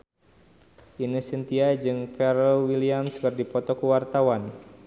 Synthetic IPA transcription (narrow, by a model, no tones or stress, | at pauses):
ʔinəsint̪iajd͡ʒɨŋpɛɾlwiliamskɨrdipɔt̪ɔkuwart̪awan